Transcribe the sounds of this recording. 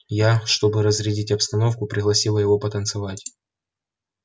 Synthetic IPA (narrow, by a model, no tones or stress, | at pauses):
jaʂt̪o̞bɨɾəzɾʲɪdʲitʲɐpst̪ɐno̞fkʊpɾʲɪɣlˠɐsʲilˠəjɪvo̞pət̪ənt̪sɨvatʲ